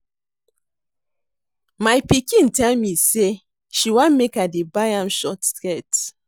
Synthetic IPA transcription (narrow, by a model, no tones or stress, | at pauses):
majpikĩntɛlmise | ʃiwãnmekadebajãmʃɔtskɛt